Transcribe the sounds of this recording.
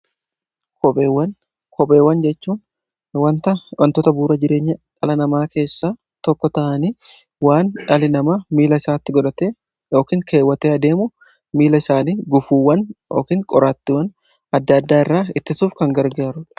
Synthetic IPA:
kɔwɐ | kʰɔpʼeːwːɐnd͡ʒɛt͡ʃːuːn | wɐnt̪ɐwɐnt̪ɔt̪ɐbuːɾɐd͡ʒɪɾe̞ːɲːɐᶑɐlɐnɐmaːke̞ːsːaː | t̪ɔkːɔt̪ɐʔɐniː | waːnᶑɐlɪnɐmɐmiːlɐɪsaːt̪ːɪɡɔᶑɐt̪eː | jo̞ːkiːŋkʰe̞ːwːɐt̪eːɐd̪e̞ːmʊ | miːlɐɪsaːniːɡʊfuːwːɐnjo̰ːkiːŋkʼɔɾaːt̪ːɪwɐn | ɐd̪ːɐd̪ːaːɪrːaːɪt̪ːɪsuːfkɐŋɡɐɾɡaːɾʊᶑ

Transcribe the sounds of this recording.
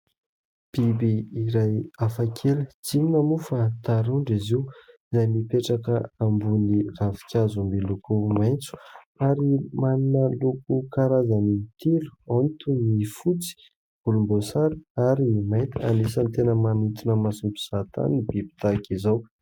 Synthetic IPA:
b̥ibiiɾajafakʰelət͡sininəmufat̪aɾuɳɖ͡ʐiziuizajmipeʈ͡ʂakəambuniravi̥kʲazumbilukumajnt͡su̥ | aɾimaninəlukukaɾazanit̪ilu̥ont̪unifut͡si̥ | b̥ulumbosaɾiaɾinimajnt̪ia̰nisənt̪enəmanit̪inəmasumpu̥z̥at̪a̰nibibi̥t̪akizaw

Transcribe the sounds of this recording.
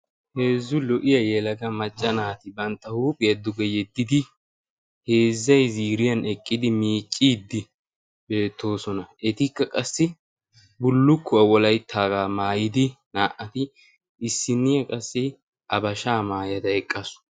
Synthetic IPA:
he̞ːzːʊlɔʔɪjɐjɛlɐɡɐmɐt͡ʃʼːɐnaːt̪ɪbɐnt̪ːɐhuːpʼɪjɐd̪ːʊɡɛjɛd̪ːɪd̪ɪ | he̞ːzːɐjziːɾɪjɐnɛkʼːɪd̪ɪmiːt͡ʃʼːiːd̪ːɪ | be̞ːt̪ːo̞ːsɔnɐɛt̪ɪkːɐkʼɐsːɪ | bʊlːʊkʰːʊɐwɔlɐjt̪ʰːaːɡaːmaːjɪd̪ɪnaːʔɐt̪ɪ | ɪsːɪnːɪjɐkʼɐsːɪ | ʔɐbɐʃaːmaːjɐt̪ɐɛkʼːɐsʊ̥

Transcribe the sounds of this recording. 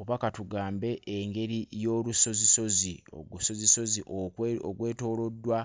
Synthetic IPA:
βakatuɡaːmbe̞ʔeŋɡe̞ɾijo̞ːɾuso̞ziso̞zioɡso̞ziso̞ziʔooɡwe̞ːto̞ːlo̞dːwa

